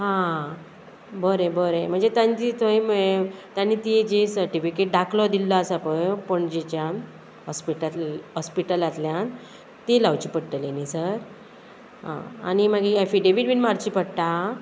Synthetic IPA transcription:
ɦã | bəɾẽbəɾem̤əɳd͡zet̪ant̪it̪oimet̪jãnːit̪id͡ʑesəɾʈifikeʈ̚ɖakʰlɔd̪ilːaasapəjpəɳd͡ʑet͡ɕjãn | ɦɔspiʈəlɦɔspiʈəlat̪ljãn | t̪elawt͡ɕiːpəɽʈ̪əlenisəɾ | ɦã̰a̰nimaɡiefiɖeʋiɖbiːnmaɾt͡ɕipəɽʈ̪a

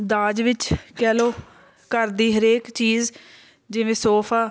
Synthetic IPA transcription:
d̪aːd͡ʒʋɪt͡ʃkɛːloː | kəɾd̪iːɦəɾeːkt͡ʃiːz | d͡ʒɪʋẽːsoːpʰaː

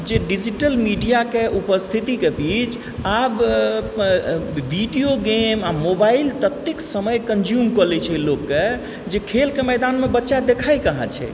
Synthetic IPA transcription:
d͡ʒeɖid͡ʒiʈəlmiɖijakeupəst̪ʰit̪ikebit͡ʃ | ab | ʋiɖioɡemamobailt̪ət̪ːiksəməjkənd͡ʒjumkɔlɛt͡ʃʰɛlokːe | d͡ʒekʰelkemɛd̪anmebətːʃad̪ekʰajkəɦã̰t͡ʃʰɛ̰

